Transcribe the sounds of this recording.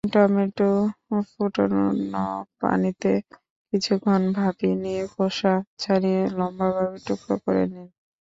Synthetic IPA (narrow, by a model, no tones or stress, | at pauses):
ʈɔmiʈufuʈo̰ɾnɔpa̰nit̪e | kit͡ɕʰukʰːonbʱabiniekoʃat͡ɕʰaɾielɔmbabʱabiʈukɾokoɾḛnin